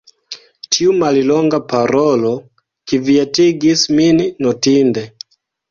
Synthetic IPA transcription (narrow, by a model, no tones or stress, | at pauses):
tʰiumalilɔŋɡapaɾolo | kiviatiɡisminːotinde